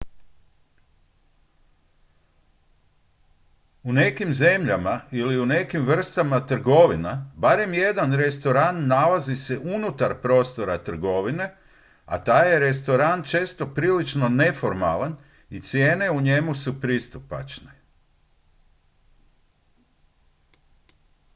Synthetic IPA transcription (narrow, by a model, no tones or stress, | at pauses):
une̞kimze̞mʎamailiune̞kimʋr̩st̪amat̪r̩ɡo̞ʋinabaɾe̞mje̞d̪anɾe̞st̪o̞ɾanːalazise̞ʔunut̪aɾpɾo̞st̪o̞ɾat̪r̩ɡo̞ʋine̞ | a̰t̪aːjeɾe̞st̪o̞ɾant͡ʃe̞ːst̪o̞pɾiːlit͡ʃno̞ne̞fo̞ɾma̰lan | it̪sje̞ːne̞uɲe̞musupɾist̪upa̰t͡ʃne̥